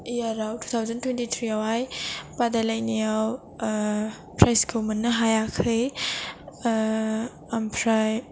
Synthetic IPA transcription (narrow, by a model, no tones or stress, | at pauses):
jaɾawtʰu̥t̪ʰawzɐntwentit̪ʰɾiawajpadalajnijaw | pʰɾajskʰumɐnːɐɦajakʰɯj | ampʰɾaj